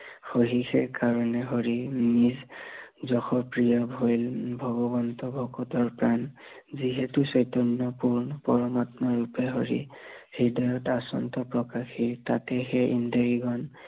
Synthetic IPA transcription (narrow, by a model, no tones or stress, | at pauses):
xoɦixʰɛkaɹɔnɛɦoɹinizzɔxɔpɹijɔbʱojlbʱɔɡɔbɔntɔbʱɔkɔtɔɹpɹan | ziɦɛtusɔjtɔnːɔpuɹnɔpɔɹɔmatnɔɹupɛɦɔɹḭhidɔjɔtasɔ̰ntɔpɹɔkaxiɹtatɛxɛʔindɔɹiɡɔn